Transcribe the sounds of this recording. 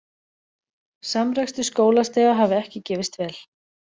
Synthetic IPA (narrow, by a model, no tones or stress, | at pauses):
samɾɛkst̪ʏskoːwlast̪ɛːɣaɦaːvʏɛhcɪcɛːvɪst̪vɛːl